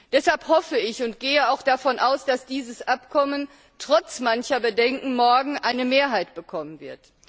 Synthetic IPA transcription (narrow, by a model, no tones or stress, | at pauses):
d̥ɛshalphɔfəɪçʊntɡ̥eːəaʊxd̥afɔnʔaʊsd̥asd̥iːzəsʔapkʰɔmən | tʁ̥ɔt͡smançɐbədɛŋkŋ̩mɔɐɡŋ̩ʔaɪnəmeːɐɦaɪtb̥əkʰɔmənvɪɐt